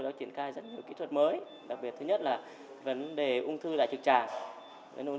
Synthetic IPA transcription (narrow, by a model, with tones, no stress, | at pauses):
ɗɔ˨˦t͡ɕi˧˩ənxaː˧jzə˦˥t̚ɲi˨˩əwkḭ˨˥t̪ʰwə˨˩t̚məː˨˦j | ɗa˨˩k̚ɓi˨˩ət̚t̪ʰɲə˦˥t̚laː˨˩ | və˨˦nɗe˨˩ʔʊ˧ŋ͡mt̪ʰɨ˧ɗa̰ː˧˨jt͡ɕɨ˨˩k̚t͡ɕaː˨˩ŋ | və̰˨˦nʔu˧